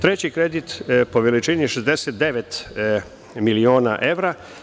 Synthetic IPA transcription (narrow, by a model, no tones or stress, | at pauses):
t̪ɾe̞t͡ɕikɾed̪it̪po̞ʋelit͡ʃiniʃezd̪eset̪̚d̪e̞ʋet̪ | milioːna̰ʔe̞ʋɾa